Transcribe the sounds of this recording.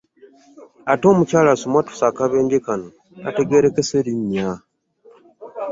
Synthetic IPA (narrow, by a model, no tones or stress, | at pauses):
ato̞ːmucaːlasomwatu̥sakaβe̞ːɲɡekano | na̰te̞ɡe̞ɾekeseɾiɲja